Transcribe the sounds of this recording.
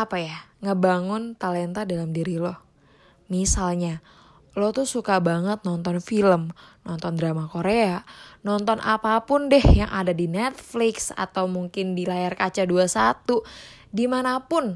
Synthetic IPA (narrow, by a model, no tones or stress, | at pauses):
apajaŋəbaŋʊnt̪alɛnt̪adalamdiɾilɔh | misalɲa | lɔt̪usukabaŋət̪̚nɔnt̪ɔnfiləmnɔnt̪ɔndɾamakoɾeanɔnt̪ɔnʔa̰papʊndɛhjaŋʔadadinɛt̪̚flɪksa̰t̪awmuŋkɪndilajarkat͡ʃaduasat̪u | dimanapʊn